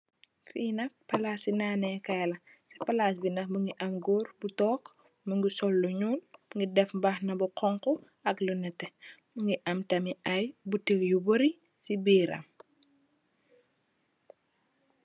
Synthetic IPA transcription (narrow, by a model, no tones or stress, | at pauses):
fiːnɐkpɐlaːsinaːnɛkɐjlɐ | sɐpɐlasbinɐxbuŋɡiʔɐmɡɔːrbutɔːk | muŋɡisɔlːɔɲuːnbuŋɡidɛfmbɐxnɐbuqʰɔŋkɔ | ɐklunɐtːɛbuŋɡiʔɐmtɐmiɐjbutikjubɔɾi | sibiːɾɐ̰m